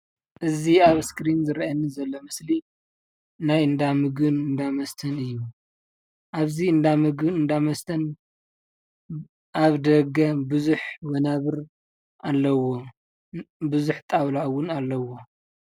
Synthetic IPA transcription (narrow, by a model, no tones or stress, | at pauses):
ʔɨziaβskɾinzɨɾiʔanːizɐlːomɨsli | najɨnd̪amɨɡɨnɨnd̪amɐst̪ʰɐnɨjːu | ʔaβziɨnd̪amɨɡɨɨnd̪amɐst̪ʰɐn | ʔaβd̪ɐɡɐbɨzuħwɐnaβɨɾ | ʔalːɐwo | bɨzuħt̪ʼaβlawʊnalːɐwo̞